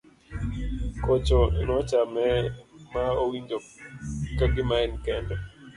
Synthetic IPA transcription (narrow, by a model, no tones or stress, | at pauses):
kot͡ʃɔnɔt͡ʃamɛmaowiɲd͡ʒokaɡɪmaɛnkɛndɛ